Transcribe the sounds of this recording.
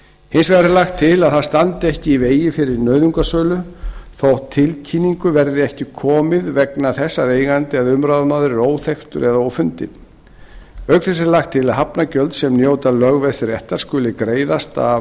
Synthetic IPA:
hɪnsvɛɾaɾlaxt̪ʰːɪlaðθaðst̪ant̪ɪɛhcɪiveːjɪfɪɾɪɾnœɥðʏŋkasœːlʏθowt̪ʰːɪlcʰiniŋkʏvɛɾðɪɛhcɪkʰɔːmɪðvɛknaθɛsːaɾeːjɣant̪ɪaðʏmɾaːwðmaːðɾɪɾoːwθext̪ʏ̰ɾʔɛðaoːwfʏnt̪ɪ̰ | œɥkθɛs̬ɪɾlaxt̪ʰːɪlaðɦapnacœlt̪sɛmnjoːwt̪alœɣvɛsɪɾɛht̪aɾ̥skʏːlɪkɾeːjðast̪a̰

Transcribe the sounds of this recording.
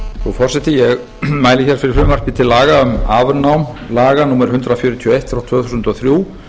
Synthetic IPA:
θɔfɔr̥sɛt̪ɪjɛɣ | maːjlɪçɛɾ̥fɪɾɪɾ̥fʏːmar̥cɪt̪ʰɪlːaːɣaʏmaːvnawm | laːɣanuːmɛɾhʏnt̪ɾawfjʏːɾʏt̪ʰiɔejht̪ːɾawt̪ʰv̥œːɣθusʏnt̪ɔθɾjuː

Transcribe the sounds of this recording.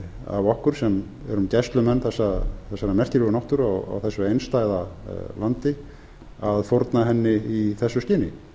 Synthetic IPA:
a̰vɔhkʏɾ̥sɛm | ɛɾʏmcɛst̪lʏmɛnːθɛsːaθɛsːaɾamɛr̥cɪlʏɣnɔwht̪ʏɾawa̰wθɛsːʏejnst̪aːjðalant̪ɪ | aðfoɾt̪naɦɛnːɪiθɛsːʏsc̪ɪːnɪ̰

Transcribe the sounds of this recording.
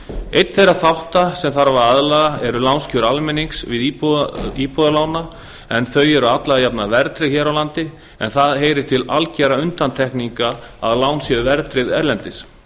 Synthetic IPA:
ejt̪n̥θejraθawht̪asɛmθaɾvaɾaðlaɣaɛɾʏlawnscʰʏɾalmɛniŋksvɪðipipɔðalaːwna | ɛnθœɥɛɾʏat̪laɣajapnavɛɾt̪ɾɪçɛːɾawlant̪ɪ | ɛ̰nθaðɦeːjɾɪ̥t̪ʰɪlalcɛɾaʏnt̪ant̪ʰɛhkniŋkaaðlaːwnsjɛðʏvɛɾt̪ɾɪðɛɾlɛnt̪ɪs

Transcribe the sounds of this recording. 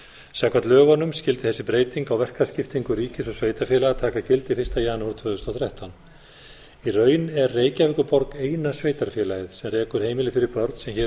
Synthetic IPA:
sɛkvat̪lœːɣanʏmscɪlt̪ɪθɛsːɪpɾeːjt̪iŋkawvɛr̥kascɪft̪iŋkʏɾiːcɪsɔsveːjt̪afjɛlaɣat̪ʰaːkacʰɪlt̪ɪfɪrst̪ajaːnahɾt̪ʰv̥œːðʏst̪ɔwθɾɛht̪awn | irœːɥnɛrreːjcavɪkʏɾpɔɾkeːjnasveːjt̪aɾ̥fjɛlajɪðsɛmrɛːkʏɾ̥heːjmɪlɪfɪɾɪɾpœɾt̪sɛmçɛ

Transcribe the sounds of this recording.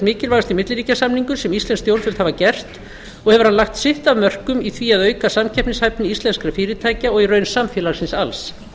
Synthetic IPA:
mɪːcɪlvaɣst̪ɪmɪt̪lɪlɾiːcasamniŋkʏsɛmist̪lɛnst̪jowɾt̪vɪlt̪haːvacɛr̥t̪ | ɔɣhɛvʏɾ̥hanlaxt̪sɪht̪avmœr̥kʏmiθviaðœːɥkasamcʰɛhpnɪshajpnɪist̪lɛnskɾafɪːɾɪt̪ʰaːjcaɔɣirœːɥnsamfjɛːlaɣsɪnsals

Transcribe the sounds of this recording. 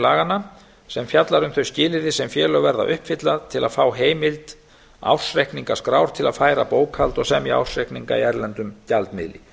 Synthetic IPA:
laːɣana | sɛmfjat̪laɾʏmθœɥscɪːlɪðɪsɛmfjɛːlœɣvɛɾða̰ʔʏhpfɪt̪laðt̪ʰɪla̰ðfaːwɦeːjmɪlt̪ | a̰w̥srehkniŋkaskɾaːwɾ̥t̪ʰɪlaðfaːjɾapoːwkʰalt̪ɔɣsɛmia̰wsrɛhkniŋka̰iɛɾlɛnt̪ʏmcalt̪mɪ̰ðlɪ̰

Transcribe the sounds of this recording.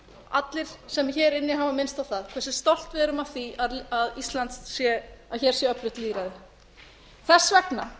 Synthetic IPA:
a̰t̪lɪɾ̥sɛmçɛːɾɪnːɪɦaːvamɪnst̪awθaðkʰvɛrsɪ̥st̪ɔl̥t̪vɪɛɾʏmavθiaðaðist̪lant̪ssjɛaçɛɾ̥sjɛœpɾʏt̪liːɾaðɪ | θɛsːvɛkna

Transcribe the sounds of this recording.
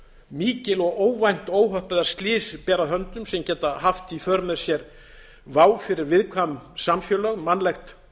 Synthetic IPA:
miːcɪlɔɣoːwvajn̥t̪oːwɦœhpɛðaɾ̥st̪lɪːspɛːɾaðɦœnt̪ʏmsɛmcɛːt̪ahaft̪ifœɾmɛ̥sjɛɾ | vaːwfɪɾɪɾvɪðkʰvamsamfjœːlœɣmanlɛxt̪

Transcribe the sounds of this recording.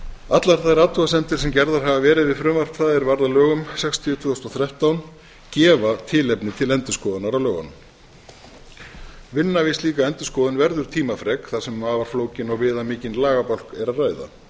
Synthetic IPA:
at̪laɾ̥θaðɾaːt̪uasɛnt̪ɪɾ̥sɛmcɛɾðaɾ̥ɦavavɛːɾɪðvɪðfɾʏːmvar̥pθaːðɛɾvaɾðalœːɣʏmsɛkst̪ʰiʏt̪ʰvɛːʏst̪ɔθɾjaht̪awn | cɛːvat̪ʰɪːlɛpnɪt̪ʰɪlɛnt̪ʏ̥skɔːðanaɾawlœːɣa̰n | vɪnːavɪsliːkaɛnt̪ʏ̥skɔːðʏnvɛɾðʏɾ̥t̪ʰiːmafɾɛkθasɛmaːvaɾ̥floːwcɪnɔɣvɪːðamɪːcɪnlaːɣapal̥kɛɾaðraːjða̰

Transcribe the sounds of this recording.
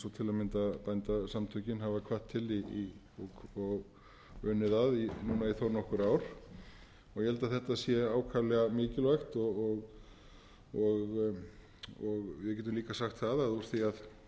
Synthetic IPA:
sɔt̪ʰɪlamɪnt̪apajnt̪asamt̪ʰœcɪnɦavakʰvaht̪ʰːɪli | ɔkʰɔɣ | ʏːnɪðaðinuːnaiθownɔhkʏɾaːwɾ̥ | ɔɣjɛɛlt̪aθɛht̪asjɛaːwkʰaːlɛɣamɪːcɪlvajxt̪ɔɔɣ | ɔɣ | ɔɣvjɛcɛt̪ʏmliːkasaxt̪θaðaɔɾθiað

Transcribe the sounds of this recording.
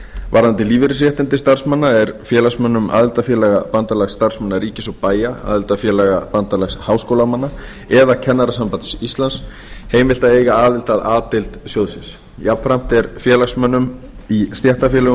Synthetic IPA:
vaɾðant̪ɪliːvɪɾɪs̬ɾjɛht̪ɪnt̪ɪst̪ar̥smanːaɛɾfjɛːlasmœnːʏma̰ːðɪlt̪afjɛːlɛɣapant̪alɛxst̪ar̥smanːaɾiːcɪsɔpaːjaa̰ːðɪlt̪afjɛːlɛɣapant̪alɛxshaːwskowlamanːa | ɛðacʰɛnːaɾasampant̪sist̪lans | heːjmɪlt̪aeːjɣaaːðɪl̥t̪aðaːt̪ɪlt̪sjoːwðsɪns | jap̪fɾam̥t̪ɛɾfjɛːlaxsmœnːʏm | ist̪jɛht̪afjɛlɛɣʏ

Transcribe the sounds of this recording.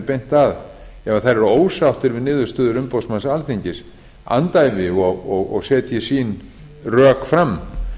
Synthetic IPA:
ɾpejn̥t̪aðɛvaθaɾɛɾoːwsawht̪ɪɾvɪðnɪːðʏ̥st̪œːðʏɾʏmpowsmansalθiɲcɪs | a̰nt̪ajvɪɔɣɔɣɔ̰ɣsɛːt̪jɛsiːn | rœːkfɾamː

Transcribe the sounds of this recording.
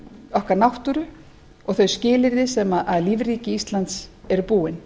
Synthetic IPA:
ɔhkaɾnawht̪ʏɾʏ | ɔɣθœɥscɪːlɪɾðɪsɛmaðʔaðliːvriːcɪist̪lant̪sɛɾʏpuːɪn

